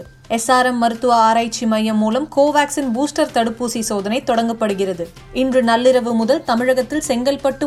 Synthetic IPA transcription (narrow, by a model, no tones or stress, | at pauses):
ɛsːaːɾɐmːɐɾɯt̪ːɯʋaaːɾaːt͡ʃːimɐjːɐmːuːlɐmkoːʋaːksɪnbuːsʈɐɾt̪ɐɽɯpːuːsisoːðɐnɐɪt̪ːɔɽɐŋɡɐpːɐɽɯɣɪrɐðɯ | ɪndrɯnɐlːɪɾɐʋɯmʊðɐlt̪ɐmɪɻɐɣɐt̪ːɪlsɛŋɡɐlpɐʈːɯ